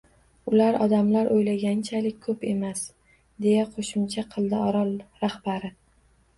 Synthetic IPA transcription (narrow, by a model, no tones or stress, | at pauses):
ʊlaɾɒd̪amlaɾʔojlaɡʲant͡ʃʰalɪk̚ʲkʰɵpe̞mas | d̪e̞jaqʰoʃɪmt͡ʃʰaqʰɨlˠd̪ɪɒɾɒlˠɾahbaɾɪ